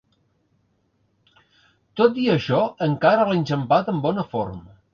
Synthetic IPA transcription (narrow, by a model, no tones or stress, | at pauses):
t̪ot̪iəʃɔəŋkaɾəalenʲʒəmpat̪əmbɔnəformə